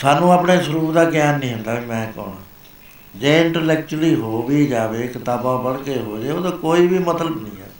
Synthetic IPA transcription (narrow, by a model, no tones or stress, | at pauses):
saːnũːaːpɳeːsəɾuːpd̪aːkɪjaːnːĩːɦʊ̃nd̪aːbiːmɛ̃ːkɔ̰ːɳã̰ː | d͡ʒeːɪɳʈəɾlɛːk̚t͡ʃʊɾliːɦoːʋiːd͡ʒaːʋeːkɪt̪aːpãːpəɽkeːɦoːd͡ʒeːoːd̪oːkoːiːbiːmət̪ləbnḭ̃ːɛ̰ː